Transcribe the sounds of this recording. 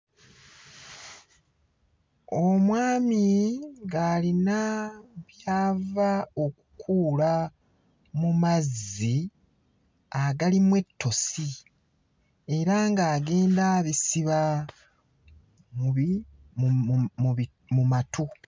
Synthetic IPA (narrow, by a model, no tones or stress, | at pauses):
omwaːmiŋɡaːlinaβjaːvao̞kukʰuːla | mumazːi | aɡalimwe̞tːo̞si | e̞ɾaŋɡaːɡe̞ːndaβisiβa | mi | mumatʰu